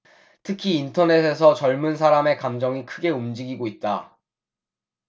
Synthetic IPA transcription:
tʰɯkʰiːntʰʌne̞sʰe̞s̬ʰʌt͡ɕʌɭmunsʰaɾame̞kamd͡ʑʌŋikʰɯɡe̞umd͡ʑiɡiɡoit̚t͈a

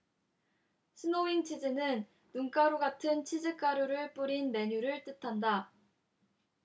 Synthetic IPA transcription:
ɕʰinoiŋt͡ɕʰid͡ʑenɯnː | uŋk͈aɾoɡatʰɯnt͡ɕʰid͡ʑɯk͈aɾoɾɯɭp͈uɾinme̞ɲuɾɯɭt͈ɯtʰanda

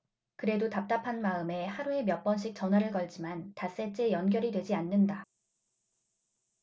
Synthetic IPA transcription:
kɯɾe̞dotap̚t͈apʰanmaɯme̞haɾue̞mjʌk̚p͈ʌnɕ̬ʰik̚t͡ɕ͈ʌnɦwaɾɯɭkʌɭd͡ʑimantas͈et͡ɕ͈e̞jʌnɡjʌɾidwe̞d͡ʑianːɯnda

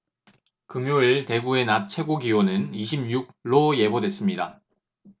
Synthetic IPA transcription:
kɯmjoiɭte̞ɡue̞nat͡ɕʰe̞ɡoɡiwonɯniɕʰim̚ɲuɡ̚ɾoje̞bodwe̞s͈ɯmɲida

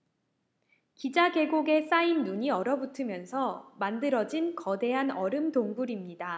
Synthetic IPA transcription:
kid͡ʑaɡe̞ɡoɡe̞s͈ainːuɲiʌɾʌbutʰɯmjʌnsʰʌmandɯɾʌd͡ʑinkʌde̞ɦanʌɾɯmtoŋbuɾimɲida

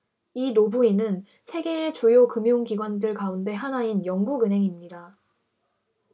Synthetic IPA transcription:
inobuinɯn | sʰe̞ɡe̞ːt͡ɕujokɯmjoŋɡiɡwandɯɭkaunde̞ɦanainjʌŋɡuɡɯnɦe̞ŋimɲida

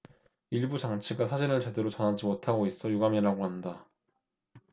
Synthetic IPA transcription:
iɭbut͡ɕaŋt͡ɕʰiɡasʰad͡ʑinɯɭt͡ɕe̞de̞ɾot͡ɕʌnad͡ʑimotʰaɡois͈ʌjuɡamiɾaɡoɦanda

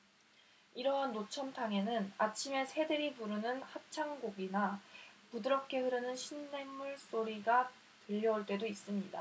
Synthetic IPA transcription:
iɾʌɦanːot͡ɕʰʌmtʰaŋe̞nɯnat͡ɕʰime̞sʰe̞dɯɾipuɾɯnɯnhap̚t͡ɕʰaŋɡoɡinapudɯɾʌp̚k͈ʰe̞hɯɾɯnɯnɕʰinːe̞ŋmuɭs͈oɾiɡa | tɯʎːʌuɭt͈e̞dois͈ɯmɲida̰

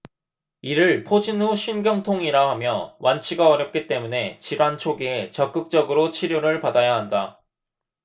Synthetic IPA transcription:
iɾɯɭpʰod͡ʑinhuɕʰinɡjʌŋtʰoŋiɾaɦamjʌwʔant͡ɕʰiɡaʌɾjʌp̚k͈it͈e̞mune̞t͡ɕiɾant͡ɕʰoɡiet͡ɕʌk͈ɯk̚t͡ɕ͈ʌɡɯɾot͡ɕʰiɾjoɾɯɭpadajaɦanda

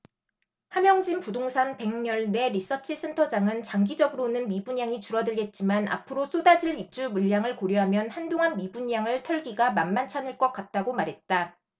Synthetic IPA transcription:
hamjʌŋd͡ʑimpudoŋsʰanpe̞ŋɲʌɭne̞ɾis͈ʌt͡ɕʰis͈ʰe̞ntʰʌd͡ʑaŋɯnt͡ɕaŋɡid͡ʑʌɡɯɾonɯnmibuɲjaŋit͡ɕuɾʌdɯɭɡe̞t̚t͡ɕ͈imana̰pʰɯɾos͈ʰodasʰiɭip̚t͡ɕ͈umuʎːaŋɯɭkoɾjuɦamjʌnhandoŋɦanmibuɲjaŋɯɭtʰʌɭɡiɡamanmant͡ɕʰanɯɭk͈ʌk͈̚at̚t͈aɡomaɾɦe̞t̚t͈a

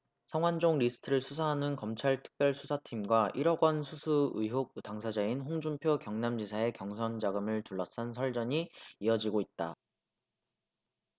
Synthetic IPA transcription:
sʰʌŋwand͡ʑoŋɾisʰɯ̥tʰɯɾɯɭsʰusʰaɦanɯnkʌmt͡ɕʰaɭtʰɯ̥k̚p͈jʌɭsʰusʰatʰimɡwaʔiɾʌɡwʌnsʰusʰuɯɦok̚taŋsʰad͡ʑainɸoŋd͡ʑumpʰjokjʌŋnamd͡ʑisʰae̞kjʌŋsʰʌnd͡ʑaɡɯmɯɭtuɭːʌs͈ansʰʌɭd͡ʑʌɲiiʌd͡ʑiɡoit̚t͈a̰

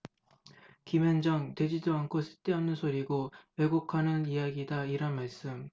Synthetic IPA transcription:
kimend͡ʑʌŋte̞d͡ʑidoankʰosʰɯ̥t͈eanɯnsʰoɾiɡoweɡokʰanɯnijaɡidaiɾanmaɭs͈ɯm

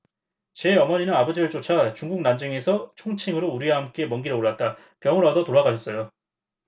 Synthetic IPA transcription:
t͡ɕe̞ʌmʌɲinɯnabʌd͡ʑiɯɭt͡ɕ͈ot͡ɕʰat͡ɕuŋɡuk̚nand͡ʑɯŋe̞sʰʌt͡ɕʰoŋt͡ɕʰiŋɯɾouɾiwahamk͈e̞mʌŋɡiɾɯoɭːat̚t͈a | pjʌŋɯɾadʌtoɾaɡaɕʰʌs͈ʌjo

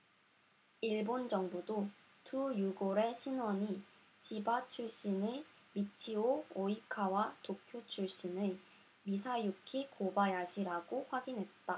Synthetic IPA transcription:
iɭbond͡ʑʌŋbudo | tujuɡoɾe̞ɕʰinwʌɲi | t͡ɕibat͡ɕʰuɭɕ͈inemit͡ɕʰiooikʰawatokʰjot͡ɕʰuɭɕ͈inɯ | misʰajukʰikobajaɕʰiɾaɡoɸwaɡinɦe̞t̚t͈a

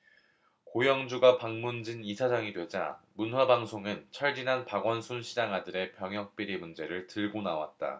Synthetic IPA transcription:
kojʌŋd͡ʑuɡapaŋmund͡ʑinisʰad͡ʑaŋidwe̞d͡ʑa̰munɸwabaŋsʰoŋɯnt͡ɕʰʌɭd͡ʑinɦanpaɡwʌnsʰunɕʰid͡ʑaŋɦadɯɾe̞pjʌŋɦjʌk̚p͈iɾimund͡ʑe̞ɾɯɭtɯɭɡonawa̰t̚t͈a̰

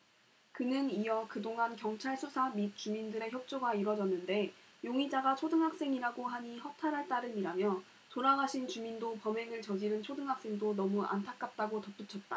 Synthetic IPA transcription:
kɯnɯniʌkɯdoŋɦankjʌŋt͡ɕʰaɭsʰusʰamit̚t͡ɕ͈umindɯɾe̞çjʌk̚t͡ɕ͈oɡaiɾwʌd͡ʑʌnːɯnde̞ | joŋid͡ʑaɡat͡ɕʰodɯŋɦak̚s͈e̞ŋiɾaɡoɦaɲihʌk̚tʰaɾɦaɭt͈aɾɯɲiɾamjʌ | toɾaɡaɕʰint͡ɕumindopʌme̞ŋɯɭt͡ɕʌd͡ʑiɾɯnt͡ɕʰodɯŋɦak̚s͈e̞ŋdonʌmuʔa̰ntʰak̚k͈at͈aɡotʌp͈ut͡ɕʰʌt̚t͈a

